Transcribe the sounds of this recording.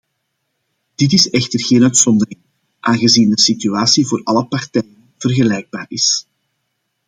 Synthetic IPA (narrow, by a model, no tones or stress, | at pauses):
d̥ɪt̬ɪsɛxtərɣeːnœɥtsɔnd̪ərɪŋ | ʔaːŋɣəziːndəsityaːsivoːrɑləpɑrtɛːjən | v̥ərɣəlɛjɡ̚baːrɪs